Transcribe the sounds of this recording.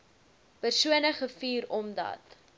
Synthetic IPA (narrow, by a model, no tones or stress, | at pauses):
pərsuənəχəfiːɾɔmdɐ̰t